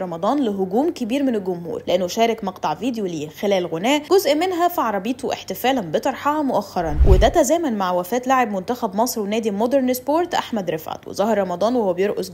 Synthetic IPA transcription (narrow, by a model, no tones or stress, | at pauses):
ɑmɑd̪ˤɑːnleɦoɡuːmkebiːɾmenelɡʊmhṵːɾleʔenːoʃæːɾɑkmɑqt̪ˤɑʕviːd̪ejoliːxelæːlɣonæːʔɡozʔmenɦæfiʕɑɾˤɑbiːt̪oʔeħt̪efæːlænbet̪ˤɑɾˤħɑhɑmoʔæxːɑɾˤɑnwed̪æt̪æzæːmænmaʕwæfæːt̪laʕebmont̪æxæbmɑsˤɾwenæːd̪imod̪eɾˤnespoːɾt̪ʔa̰ħmæd̪ɾefʕa̰t̪wḛzˤɑhɑɾˤɾˤɑmɑd̪ˤɑːnwehowːæbjeɾʔoz